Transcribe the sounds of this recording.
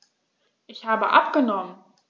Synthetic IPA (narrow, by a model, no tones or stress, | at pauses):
ʔɪçhaːbəʔa̰p̚ɡ̥ənɔmən